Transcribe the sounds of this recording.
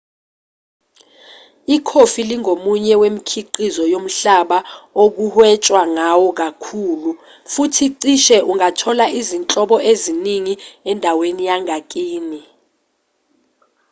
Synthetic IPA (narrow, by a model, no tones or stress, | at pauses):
ikʰofiliŋʱomuɲɛwemikʰiǃizɔjom̩ɬaɓaok̬uhwɛt͡ʃʼwaŋawɔk̬akʰuːlu | futʰiǀiʃɛʔuŋatʰɔlaʔizint͡ɬʼɔɓɔʔeziniŋiɛndʱawenijaŋʱak̬ʼiːni